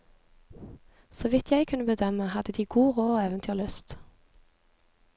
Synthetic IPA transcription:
sɔʋɪt̪ʰjæɪkʰʉnəbəd̪œməhɑd̪əd̪iːɡuːʁoːɛːʋənt̪ʰyɛlœst̪

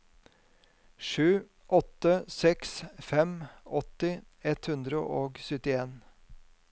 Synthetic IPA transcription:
ʃʉː | ʔɔt̪əsɛksfɛmʔɔt̪ɪ | ɛt̪hʉnd̪ɾəʔoːɡsʏt̪ɪeːn

